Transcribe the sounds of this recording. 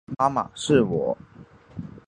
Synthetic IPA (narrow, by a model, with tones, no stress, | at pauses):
ma˦ma̰˨˩ʂɻ̩˥˩wɔ˨˦